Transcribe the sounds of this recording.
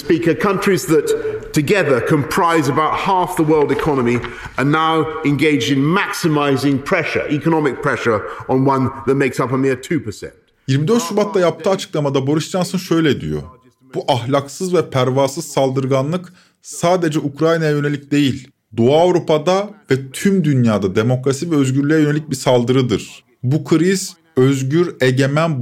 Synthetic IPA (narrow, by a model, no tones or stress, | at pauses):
spiˑkəkʰʌ̃nt͡ʃɹ̥izðəttʰɨɡɛðə˞kʰə̃mpʰɹ̥aɪzəbaʊt̚hɑˑfðəwɜ˞lˠdɨkʰɑnəmi | ənaʊɪ̃nɡeɪd͡ʒdɪ̃nmæksɨmaɪzɪ̃ŋpʰɹ̥ɛʃə̰˞ʔikənɒmɪk̚pʰɹ̥ɛʃə˞ə̃nwʌ̃nðət̚meɪksʌpəmɪətʰʉpəsɛ̰̃nt | jiɾmid̪øɾt̪subat̪lːajap̚t̪ʰɯːat͡ʃʰɯ̥klˠamad̪abo̞ɾuʃt͡ʃansɯnʃø̞jlʲɛd̪ḭjo̰ | buʔaɦlʲaksɯzvɛpʰæɾvaːsɯzsalˠd̪ɯɾɡanlˠɯk | saːd̪e̞d͡ʒɛukɾajnajajø̞ne̞lʲic̚d̪e̞jilʲ | d̪oaːvɾupad̪avɛt̪ʰymd̪ynjaːd̪ad̪e̞mo̞kɾasivɛøzɟyɾlʲjɛjøe̞lʲic̚biɾsalˠd̪ɯɾɯd̪ɯɾ̥ | bukʰɾiz̥ | øzɟyɾeɟe̞mæn